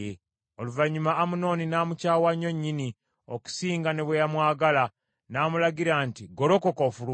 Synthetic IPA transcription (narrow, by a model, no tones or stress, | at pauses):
e | oluvaɲːumaːmuno̞ːninaːmucaːwaɲːo̞ɲːini | oku̥siːŋɡane̞βwejamwaːɡala | naːmulaɡiɾaːntiɡo̞ɾo̞kokofulu